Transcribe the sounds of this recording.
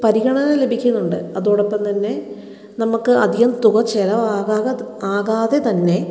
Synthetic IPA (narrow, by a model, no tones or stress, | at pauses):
pɐɾiɣɐɳɐnɐle̞bʱikʲːunːuɳɖɨɐðoːɽopːɐmt̪ɐnːe̞ | nɐmukːɨɐd̪ʱiɣɐmt̪uɣɐt͡ɕːelɐʋaːɣaːɣɐaːɣaːðe̞t̪ɐnːe̞